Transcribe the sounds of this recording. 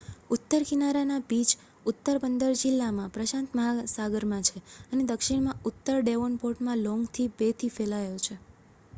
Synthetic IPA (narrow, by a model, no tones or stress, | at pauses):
ʊt̪ːəɾkinaɾanabid͡ʒ | ʊt̪ːəɾbənd̪əɾd͡ʒɪlːamãpɾəʃãnt̪məɦasaɡəɾmãt͡ʃʰeəned̪əkʃiɽmãʊt̪ːəɾɖeʋonpoɾʈmãlɔŋɡt̪ʰibet̪ʰifelajot͡ʃʰe